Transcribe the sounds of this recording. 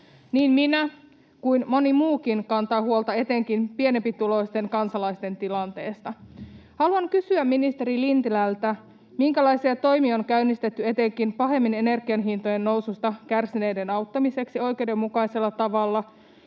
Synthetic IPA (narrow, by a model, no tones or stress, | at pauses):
niːmminæ | kujnmo̞nimuːkinkɑnt̪ɑːhuolt̪ɑe̞t̪e̞ŋkinpie̞nempit̪ulo̞ist̪e̞ŋkɑnsɑlɑist̪e̞nt̪ilɑnt̪e̞ːst̪ɑhɑluɑŋkysyæminist̪eɾilint̪ilælt̪æ | miŋkælɑisiɑt̪o̞jmioŋkæynːist̪et̪ːye̞t̪e̞ŋkinpɑɦe̞mːinene̞rɡ̥iɑnɦint̪ojenːo̞wsust̪ɑkærsine̞jde̞nɑwt̪ːɑmise̞ksio̞jk̟e̞uwde̞mːukɑjse̞lːɑt̪ɑʋɑlːɑ